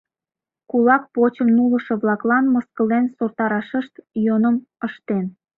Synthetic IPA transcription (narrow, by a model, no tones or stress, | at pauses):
kulɑk̚pot͡ɕəmnulə̆ʃŏβlɑklɑnməskə̆lensort̪ɑɾɑʃəʃt̪jonəməʃt̪en